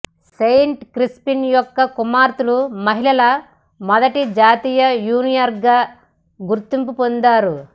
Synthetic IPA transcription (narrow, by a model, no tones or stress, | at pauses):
sejɳʈkɾispinjɔkːɐkumaːɾt̪ulumɐɦilɐlɐ | mɔd̪ɐʈid͡ʒaːt̪iːjɐjuːnijɐɾɡaː | ɡuɾt̪impupond̪aːɾu